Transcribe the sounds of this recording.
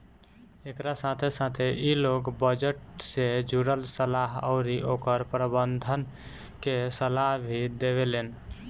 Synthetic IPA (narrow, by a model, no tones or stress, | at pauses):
ekɾasat̪ʰesat̪ʰeʔilokbəd͡ʒəʈsed͡ʒuɾəlsəlaɦə̰ʊɾiʔokəɾpɾəbənd̪ʱən | kesəlaɦbʱid̪eβelen